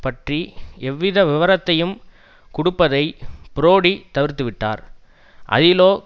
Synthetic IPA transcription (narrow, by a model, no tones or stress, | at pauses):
pɐʈriɛʋːɪðɐʋɪʋɐɾɐt̪ːɐjɯm | kʊɽʊpːɐðɐɪpɪɾoːɽit̪ɐʋɪɾt̪ːɯʋɪʈːa̰ːɾ | ʔɐ̰ðɪloː